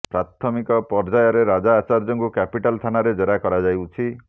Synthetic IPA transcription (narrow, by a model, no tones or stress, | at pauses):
pɾat̪ʰɔmikɔpɔɾd͡ʒajɔɾeɾad͡ʒaːt͡ʃaɾd͡ʒɔŋkukɛpiʈalt̪ʰanaɾed͡ʒɔɾakɔɾad͡ʒajwt͡ʃʰi